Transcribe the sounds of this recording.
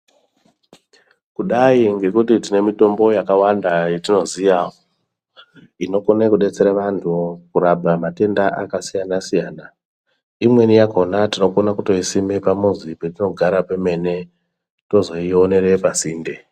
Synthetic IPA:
kuɗaiŋɡe̞kutitine̞mito̞mbo̞jakawandaje̞tino̞zijao | ino̞konekuɗe̞t͡se̞ɾaʋantʰukuɾabʱamate̞ndaʔa̰kasijanasijaːna | imwe̞nijakonatino̞konakuto̞isimepamuzipetino̞ɡʱaɾapeme̞ne̞ | to̞zo̞io̞ne̞ɾe̞pasiːnde

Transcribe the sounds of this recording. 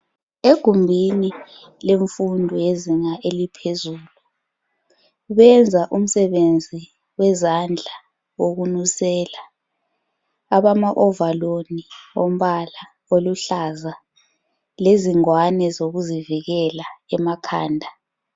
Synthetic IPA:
eɡ̥ʱumbʱini | leɱfundʱɔjeziŋaʔelipʰezuːlu | ɓɛnd͡zʱaʔum̩sɛɓend͡zʱi | wɛzand͡ɮʱa | wok̬unusɛːla | aɓamaʔɔvaloniom̩ɓala | oluɬaza | leziŋwanɛzoɣuziviɣɛlaɛmakʰaːndʱa

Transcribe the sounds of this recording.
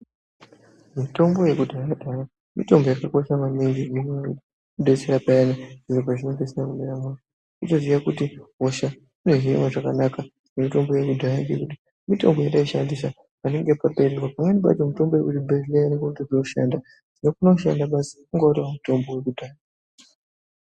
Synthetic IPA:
mito̞mbo̞je̞kudʱaradʱaɾa | mito̞mbo̞jakako̞ʃamanenɡiiimwe | uɗeseɾapaanandiʐopaʐine̞ŋɡeserakuɗeɾama | utoziʋakutiɦoʃa | une̞ʐiḭmaʐakanaka | nemito̞mbo̞jekudʱaɾaŋɡekuti̥ | mito̞̰mbo̞jaɗaiʃandis̬a | pane̞ŋɡe̞pape̞ɾerwapamwe̞niɓa̰tomito̞mbo̞jekutibʱeʐiainekokutiʐinoʃa̰nda | d̥inokunoʃa̰ndaɓasikuŋɡatowamito̞mbo̞we̞kudʱaːra

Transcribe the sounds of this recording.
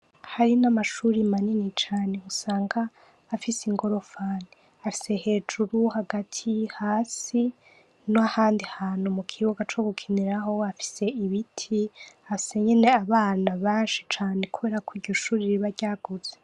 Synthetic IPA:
haɾinamaʃuːɾimaninit͡ʃaːne̞usaːŋɡaː | fisiŋɡo̞ɾo̞fani | afi̥se̞he̞ːd͡ʒuɾuhaɡatʰihaːsi | noahaːndihaːnhumukʰiwuɡat͡ʃoɡukʰiniɾaɦo̞afi̥se̞iβitʰiafi̥se̞ɲe̞neaβaːnaβaːnʃi̥t͡ʃaːne̞kuβe̞ɾakwiːɾɟo̞ʃuːɾiɾiβaɾɟaːɡ̥uz̥e

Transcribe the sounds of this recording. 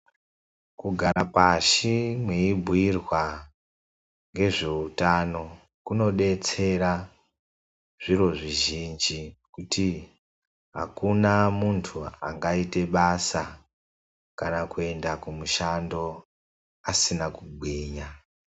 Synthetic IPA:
kuɡʱaɾapaʃimweibʱwirwa | ŋɡe̞ʐe̞utano̞ | kuno̞ɗe̞t͡se̞ɾa | ʐ̥iro̞ʐiʒind͡ʒikuti | ɦa̰kunamuntʰua̰ŋɡaite̞ɓasa | kanakue̞ndakumuʃando̞ | asinakubʱwiːɲa

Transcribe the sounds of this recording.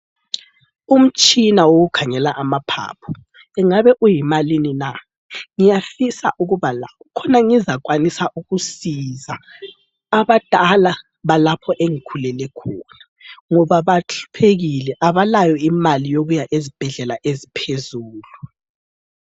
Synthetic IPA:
um̩t͡ʃʼinawoɣukʰaŋɛlaʔamapʰa̰ːpʰɔ | ɛŋaβɛʔujimalinina | ŋijafisa̰ʔuɣuβalaukʰɔnaŋizak̬ʼwanisaʔuɣusizaː | βad̥ʱala | βalapʰɔʔeŋikʰulɛlɛkʰɔna | ŋɔβaβaɬu̥pʰeɣilɛʔaβalajɔimalijoɣujaʔezib̥ʱɛɮɛlaʔezipʰezuːlu

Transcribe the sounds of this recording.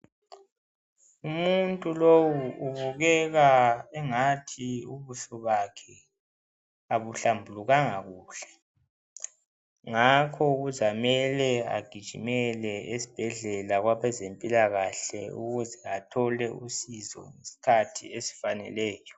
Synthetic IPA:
umuntʼulowuʔuβuɣɛɣaɛŋatʰiuβuɬɔβakʰɛ | aβuɬambʱuluɣaŋaɣuːɬɛ̥ | ŋakʰɔuɣuzamɛlɛa̰ɡ̥ʱid̥ʒ̥ʱimɛlɛesi̥b̥ʱɛɮɛlaɣwaβɛzempʼilaɣaɬɛ̰uɣuzɛatʰɔlɛʔusizɔ̰ŋesi̥kʰatʰḭesi̥fanɛ̰lɛːjɔ

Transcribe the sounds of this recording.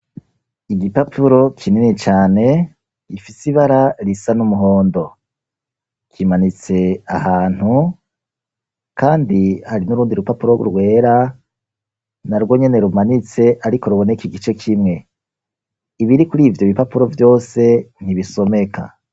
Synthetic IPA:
iɡipapʰuɾo̞kʰininit͡ʃaːne̞ | ifisiβaɾaɾisanumuɦo̞ːndo̞ | kʰimanit͡se̞ahaːn̥hu | kʰaːndihaɾinuɾuːndiɾupapuɾo̞ɡṵɾɡwe̞ːɾa | naɾɡwo̞ɲe̞ne̞ɾumanit͡se̞ʔaɾiko̞ɾuβo̞ne̞kiɡit͡ʃe̞kʰimŋe̞ | iβiɾikuɾiːvjoβipapuɾo̞vjo̞ːse̞n̥iβiso̞me̞kʰa̰

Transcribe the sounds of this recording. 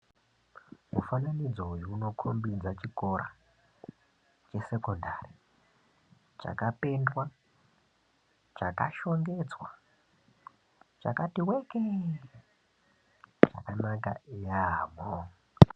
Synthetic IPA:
mufananid͡zojuno̞kʰombid͡zat͡ʃiko̞ɾa̰ | t͡ʃe̞se̞ko̞ndari | t͡ʃa̰kape̞ndwa | t͡ʃaka̰ʃo̞ŋɡe̞d͡zwa | t͡ʃa̰katiweke | t͡ʃa̰kanaka̰ijamo

